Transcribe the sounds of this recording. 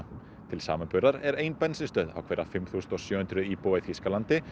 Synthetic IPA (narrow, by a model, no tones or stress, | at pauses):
t̪ʰɪlsa̰ːmanpʏɾaɾɛɾeːjnpɛnsɪst̪œːða̰wkʰvɛːɾafɪmθuːsnɔɣsjœːhʏnt̪ɾʏipoːaθfiskalant̪ɪ